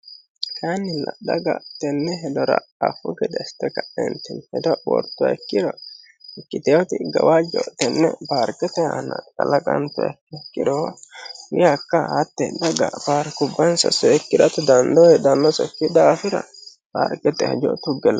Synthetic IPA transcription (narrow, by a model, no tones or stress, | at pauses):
kanːɪlɐdɐɡɐt̪ːɛnːɛɦɛd̪ɔɾɐ̰ | ɐfʊɡɛd̪ɛst̪ɛkɐʔɛ̰nt̪ɛnhɛd̪ɔwɔ̰ɾt̪ːʊɐ̰ɛkːɪɾɔ | ɛkːɪt̪ɛjɔt̪ɪɡɐwad͡ʒɔʔt̪ːɛnːɛ̰baːɾkʼɛt̪ɛha̰nɐkʼɐlɐkʼɐnt̪ʊɐ̰kɛkːɪɾɔhɪjakːɐhɐt̪ːɛd̪ɐɡɐ̰b̥aːɾkʊbːɐnsɐ̰sɔɛkːɪdɐt̪ʊd̪ɐnd̪ɔwɛd̪ɐnːɔsɔkːɪd̪ɐɐfɪɾɐ̰ | b̥a̰ːɾkʼɛt̪ɛhɐd͡ʒɔʔt̪ʊɡɛlɐ